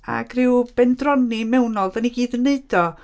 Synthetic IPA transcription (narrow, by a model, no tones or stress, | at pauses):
a̰ɡrɪwb̥ɛndrɔnimɛwnɔlˠdaniɡiːdəneɨdɔ